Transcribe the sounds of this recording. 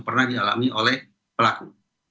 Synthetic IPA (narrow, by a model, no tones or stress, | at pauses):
pərnahdiala̰miolɛh | pəlaku